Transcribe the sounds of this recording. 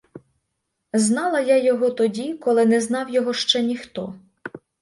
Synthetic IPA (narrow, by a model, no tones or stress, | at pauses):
znɑlˠɐjajɔɦɔt̪ɔdʲikɔlˠɪnɛznɑwjɔɦɔʃt͡ʃɛnʲixt̪ɔ